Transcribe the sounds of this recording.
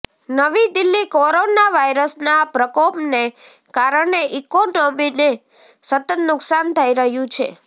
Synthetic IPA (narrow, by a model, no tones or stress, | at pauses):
nəʋid̪ilːikoɾonaʋajɾəsnapɾəkopne | kaɾəɳeʔikoʈomine | sət̪ət̪nʊksant̪ʰəiɾəɦjũt͡ʃʰḛ